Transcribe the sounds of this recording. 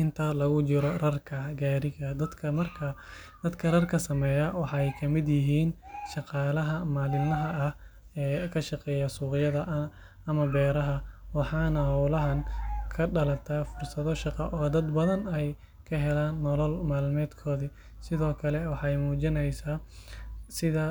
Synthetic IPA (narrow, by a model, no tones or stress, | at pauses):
ɪnt̪ʰɐlɐɣʊt͡ʃɪɾɔrɐrkʰɐɡaːɾɪɣɐd̪ɐd̪kʰɐmɐrkʰɐ | d̪̥ɐd̪kʰɐrɐrkʰɐsɐmɛːjɐwɑħɑɛjkʰɐmɪd̪jɪɦiːnʃɑqɑːlɐɦɐmaːlɪmɐɦɐʔɐh | ɛːkʰɐʃɑqɛːjɐsuːqɪjɐðɐʔ | ɐmɐbɛːɾɐɦɐwɑħɑːnɐhɐwlɐɦɐŋkʰɐɖɐlɐt̪ʰaːfʊrsɐðɔʃɑqɑ̰ʔɔːd̪ɐd̪bɐðɐnɛj | kʰɐɦɛlaːnːɔlɔlmaːlmɛːd̪kʰɔːði | sɪðɔːkʰɐlɛwɑħɑjmuːt͡ʃɪnɛjsaː | sɪðɐ